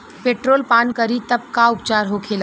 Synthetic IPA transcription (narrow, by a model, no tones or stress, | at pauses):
peːʈɾoːlpaːnkəɾit̪ɐb̚kaʊpt͡ʃaːɾɦokʰeːla